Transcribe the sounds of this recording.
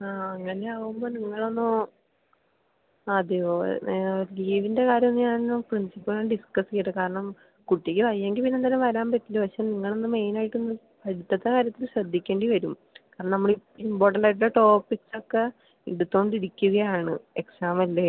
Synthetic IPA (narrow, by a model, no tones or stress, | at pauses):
aːɐŋːɐne̞aːʋumbo̞ːniŋːɐɭo̞nːɨ | ɐðɨo | liːʋinde̞kaːɾjɐmnːɨɲaːɳnprinsipːɐlaɖiskɐsɨkejʈːɨkaːɾɐɳɐm | kuʈːikʲːɨʋɐijeŋɡilpinːend̪ɐlɐmʋɐɾaːmpɐtːilupɐɕeniŋːɐɭo̞nːɨme̞jnaːjiʈːunːɨ | pɐɽit̪ːɐt̪ːekaːɾjɐt̪ːilɕrɐd̪ʱːikʲːe̞ːɳɖiʋɐɾum | kaːɾɐɳɐmnɐmːɐɭipːimpo̞ːrʈːɐɳɖaːjiʈ̬ːulːɐʈo̞ːpːikso̞kːe̞ | iɽut̪ːo̞ːɳɖiɾikʲːuɣɐjaːɳɨ̰e̞ksaːmɐlːe